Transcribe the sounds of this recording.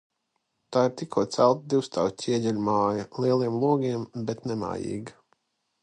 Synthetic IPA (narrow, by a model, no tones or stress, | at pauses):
t̪aːiɾt̪ikʰuɔt̪sælˠt̪̚d̪iwst̪awʲiɛdʲɛlʲmaːjɐlˠiɛlˠiɛmlˠuɔɡiɛmbɛt̪nɛma̰ːjḭːɡ